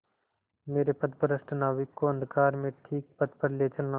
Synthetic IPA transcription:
meːɾepɐt̪̚pəɾəsʈɐnaːʋɪkːoɐ̃nd̪ʱkaːɾmẽʈʰiːk̚pɐt̪pəɾleːt͡ʃɐnã

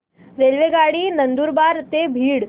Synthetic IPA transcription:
ɾeːlʋeɡaːɽinənd̪uːɾbaːɾt̪ebʱiːɽ

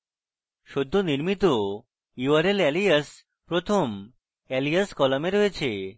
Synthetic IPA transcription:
ʃod̪ʱːoniɾmit̪o | iʋəɾelɛlijəs | pɾot̪ʰom | ɛlijəskɔlameɾoet͡ɕʰe

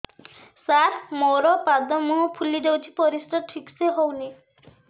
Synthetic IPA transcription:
saɾmowɾɔpad̪ɔmuɦɔpʰulid̪ewt͡ʃʰi̥pɔɾist̪ɔʈʰikseɦowni

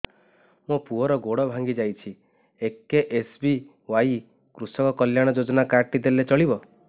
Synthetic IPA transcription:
mũpuɔɾɔɡoɽɔbʱaŋɡid͡ʒajt͡ʃʰi | ekːeʔesbi | waj | kɾusɔkɔkɔljaɽ̃ɔd͡ʒod͡ʒɔnakaɾʈid̪elːet͡ʃɔɭibɔ

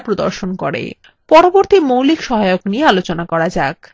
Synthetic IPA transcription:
pɾod̪o̰ɾʃonkoɾḛ | pɔɾoboɾt̪imowlikʃɔɦajokniealot͡ɕonakɔɾad͡ʑak

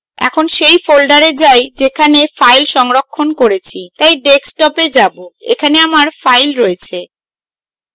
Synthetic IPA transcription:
ɛ̰kʰonʃejfolɖaɾed͡ʑajd͡ʑekʰanefajlʃɔŋɾokʰːonkoɾet͡ɕʰit̪ajɖeksʈɔped͡ʑaboḛkʰaneamaɾfajlɾɔet͡ɕʰe

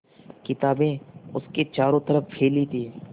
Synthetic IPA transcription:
kɪt̪aːbẽːʊsket͡ʃaːɾõːt̪əɾəfpʰeːlit̪ʰiː

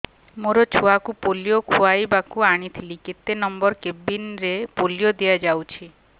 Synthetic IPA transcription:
moɾɔt͡ʃʰuakupolijokʰuajbakuaɽ̃it̪ʰiliket̪ːenɔmbɔɾkebinɾepoljod̪ijad͡ʒawt͡ʃʰi

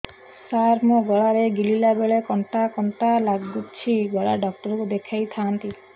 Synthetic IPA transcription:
saɾmoɡɔɭaɾeɡililabeɭekɔɳʈakɔɳʈalaɡːut͡ʃʰiɡɔɭaɖɔk̚ʈɔɾukud̪ekʰajt̪ʰant̪i

